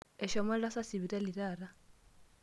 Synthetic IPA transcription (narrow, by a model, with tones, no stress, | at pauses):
ɛ˨ʃɔ˦ma˦ɺa˦sa˦si˨βi˨ɾa˦li˨ɾaː˨ɾa˦